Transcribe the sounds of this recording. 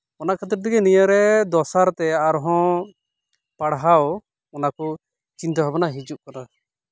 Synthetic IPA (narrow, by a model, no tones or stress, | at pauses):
ɔnakʰət̪əɾ̚t̪ɛɡɛnijəɾɛd̪ɔsaɾt̪ɛaɾɦɔ̃ | paɽɦawɔ | ɔnakɔ | t͡ʃint̪ɔɦabɔnaɦid͡ʒuʔkana